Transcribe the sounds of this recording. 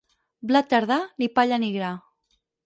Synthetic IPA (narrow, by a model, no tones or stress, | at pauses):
blat̪ːaɾðanipaʎaniɣɾa